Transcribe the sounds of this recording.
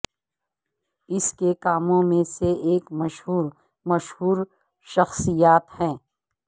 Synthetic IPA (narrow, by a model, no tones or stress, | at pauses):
ɪskekaːmõmẽseeːkmɐʃɦuːɾ | mɐʃɦuːɾ | ʃɐxsijaːt̪hɛ̃ː